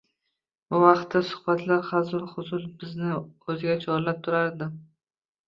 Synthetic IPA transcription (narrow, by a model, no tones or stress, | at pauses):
bʊvɑqt̪ːasʊ̥χbat̪ʰlaɾχazɒlˠχʊzʊlbɪznɪɵzɪɡʲat͡ʃʰɒɾlap̚t̪ʰʊɾaɾd̪ɪ